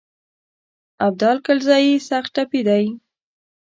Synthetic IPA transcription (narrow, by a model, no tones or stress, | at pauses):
ab̚d̪ɑlkalzɑjisax̚ʈapid̪aj